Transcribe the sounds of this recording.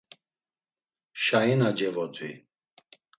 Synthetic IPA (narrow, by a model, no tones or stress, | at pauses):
ʃainad͡ʒɛɣɔt̪ʰʼḭ